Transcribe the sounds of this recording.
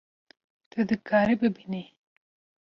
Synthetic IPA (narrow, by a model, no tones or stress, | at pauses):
t̪əd̪əkɑɾebəbini